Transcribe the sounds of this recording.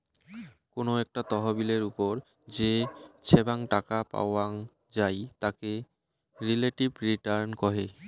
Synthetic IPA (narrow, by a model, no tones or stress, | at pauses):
konoɛk̚ʈat̪ɔɦobileɾupoɾ | d͡ʑet͡ɕʰebaŋʈakapa̰oa | d͡ʑajt̪ake | ɾileʈibɾiʈaɾnkɔɦe